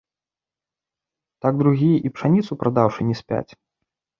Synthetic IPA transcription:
t̪aɡ̚d̪ɾuɣʲijɛʔipʂanʲit̪supɾʔad̪awʂɨnʲɛsʲpʲa̰t͡sʲ

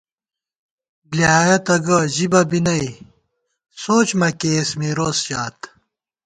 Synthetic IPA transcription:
bljaːjɐt̪ɐɡɐʑibɐbinɐi | soːt͡ɕmɐkeːsmiɾoːsʑaːt̪

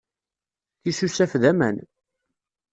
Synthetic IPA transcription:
θisusæfðæmæ̰n

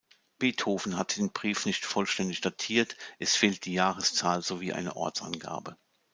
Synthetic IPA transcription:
b̥eːthoːfn̩hatd̥eːnbʁiːfnɪçtfɔlʃtɛndɪçd̥atʰiːɐtʔɛsfeːlt̚d̥iːjaːʁəst͡saːlzoviːʔa̰ɪnə̰ʔɔ̰ɐt͡sa̰nɡa̰ːbə

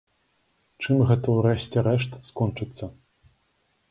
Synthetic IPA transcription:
t͡ʂɨmɣɛt̪ɐwɾɛɕʲt͡sʲɛɾɛʂt̪skɔnt͡ʂɨt̪sːɐ

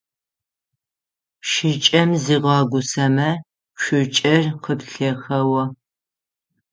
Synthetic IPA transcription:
ʃɪt͡ʃʼɐmziːʁɑːɡʷʊsɐmɐ | ʃʷʊt͡ʃʼɐrqəpɬɐxɐwɐ

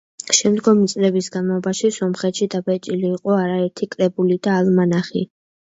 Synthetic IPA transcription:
ʃɛmd̪ɡɔmit̪sʼlɛbisɡanmalˠɔbaʃisɔmχɛt̪ʃid̪abɛt͡ʃʼiliːqʼɔaɾaɛɾt̪ʰikʼɾɛbulid̪aːlmanaχḭ

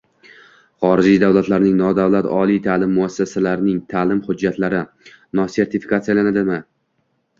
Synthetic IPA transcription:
χɒɾɪd͡ʒijd̪awlat̪laɾnɪŋnɒd̪awlat̪ʰɒlijt̪ʰalɪmːʊasːasalaɾnɪŋt̪ʰaːlɪmhʊd͡ʒːat̪laɾɪ | nɒse̞ɾt̪ʰɪfi̥kʰat̪sijalanad̪ɪmɪ

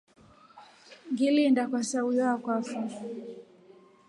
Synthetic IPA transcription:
ŋɡilindakwasaujakwafu

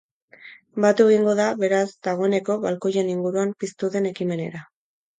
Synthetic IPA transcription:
bat̪ue̞ɣ̞iŋɡo̞ðaβe̞ɾazd̪aɣ̞o̞ene̞ko̞βalko̞je̞niŋɡuɾuampist̪uðe̞ne̞kime̞ne̞̰ɾa

